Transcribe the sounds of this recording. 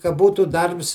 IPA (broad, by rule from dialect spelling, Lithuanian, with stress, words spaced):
kɐ ˈbuːtuː ˈdɐrps